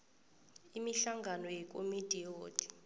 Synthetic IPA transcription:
imiɬaŋɡʱanɔjɛk̬ʼomid̥ʱʼijoːd̥ʱʼi̥

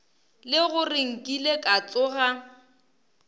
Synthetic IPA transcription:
lɪɣʊrɪŋ̩kʼilekʼat͡sʼʊɣa

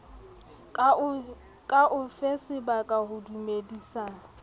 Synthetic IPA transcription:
kʼaʔʊfesɪbakʼahʊdumediːsa

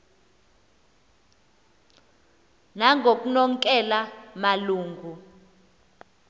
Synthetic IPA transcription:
naŋʱok̬ʼunɔŋ̩kʼɛlamaluːŋɡʱu

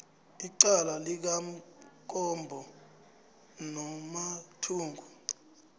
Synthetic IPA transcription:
iǀalalik̬am̩kʼɔmbʱɔ | nɔmatʰuːŋɡʱu

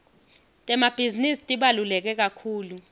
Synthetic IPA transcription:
tʼɛmab̥ʱizinistʼiɓalulɛk̬ɛk̬akʰuːlu

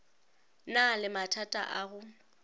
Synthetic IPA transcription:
nalɪmatʰatʼa̰ʔaɣʊ

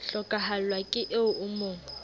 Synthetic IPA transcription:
ɬɔkʼahalwakʼɪʔeʊʊmoːŋ

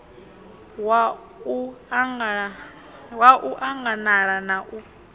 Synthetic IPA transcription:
wa | uŋ | waʔuʔaŋɡanaɺanaʔu

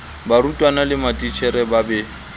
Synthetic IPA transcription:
baɾutʼwanalɪmatʼit͡ʃʰɛɾɛbabɛ

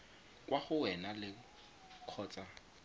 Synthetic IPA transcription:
kʼwaχʊwɛnalɪ | q͡χʰɔːt͡sʼa

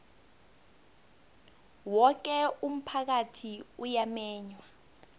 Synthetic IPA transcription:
wɔk̬ɛum̩pʰak̬atʰiujamɛːɲwa

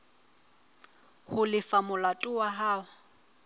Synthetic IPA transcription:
hʊlɪfamʊlatʼʊwaɦaːwa

